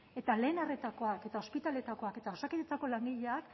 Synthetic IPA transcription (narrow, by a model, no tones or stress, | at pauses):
e̞t̪ale̞ːnaret̪ako̞ake̞t̪ao̞spit̪ale̞t̪ako̞ake̞t̪ao̞sakit̪et͡sako̞laŋɡiʎeak